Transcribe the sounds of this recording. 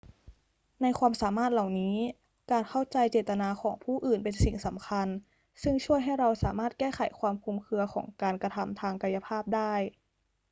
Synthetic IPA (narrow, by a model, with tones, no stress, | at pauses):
na˧jkʰwaː˧msaː˨˩˦maː˥˩t̪̚la˨˩wniː˦˥ | kaː˧˩nkʰa˥˩wt͡ɕa˧jt͡ɕeː˨˩t̪ːa˧naː˧xʰɔː˩˦ŋpʰuː˥˩ʔɯː˨˩npe˧nsi˨˩ŋsa˩˦mkʰa˧n | sɯ˥˩ŋt͡ɕʰu˥˩əjɦa˥˩jɾa˧wsa̰ː˩˦maː˥˩t̪̚kɛː˥˩xa˨˩˦jkʰwaː˧mkʰuː˧mkʰɯ˧ɐxʰɔ̰ː˩˦ŋkaː˧nkɾa˧t̪ʰa˧mt̪ʰaː˧ŋka˧ja˧pʰaː˥˩p̚daː˥˩j